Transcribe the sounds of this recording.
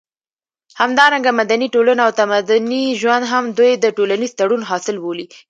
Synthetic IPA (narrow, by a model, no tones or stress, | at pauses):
hamd̪ɑɾaŋɡamad̪aniʈolanaawt̪amad̪ʊniʒwand̪ɦamd̪ujd̪əʈolanizt̪aɽunɦɑsɪlboli